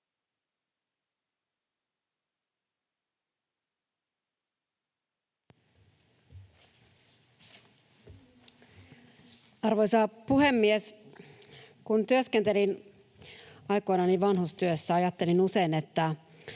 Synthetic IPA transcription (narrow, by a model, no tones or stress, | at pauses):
ɑrʋo̞jsɑpuhe̞mːies | kunt̪yøskent̪e̞lin | ɑjko̞jnɑniʋʋɑnɦust̪yøsːæɑjɑt̪ːe̞linuse̞jne̞t̪ːæ